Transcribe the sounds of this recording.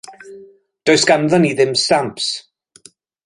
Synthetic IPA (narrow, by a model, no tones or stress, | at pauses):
d̥ojsɡ̥amðɔniðɪmstamps